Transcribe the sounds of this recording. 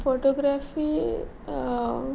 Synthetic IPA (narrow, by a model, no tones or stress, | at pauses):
pʰoʈoɡɾaːfi